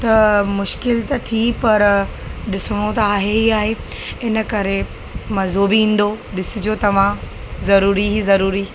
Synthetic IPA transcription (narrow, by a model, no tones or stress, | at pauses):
t̪ɐmʊʃkɪlt̪ɐt̪ʰipɐɾɗɪsʊɽ̃ot̪ɐaːɦeɦiaːɦe | ɪnə̆kɐɾe | mɐzobɪĩːn̆d̪oɗɪsɪd͡ʑoːt̪ɐʋ̤ã | zɐɾuːɾiɦizɐɾuːɾi